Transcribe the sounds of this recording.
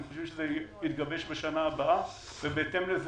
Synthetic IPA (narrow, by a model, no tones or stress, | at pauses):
noʃevʃezejit̪ɡabeʃbeʃanaːbaʔa | vebeet̪emlez